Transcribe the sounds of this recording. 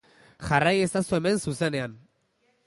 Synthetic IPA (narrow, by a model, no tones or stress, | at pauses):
ʝaraje̞st̪asue̞me̞nsuse̞ne̞an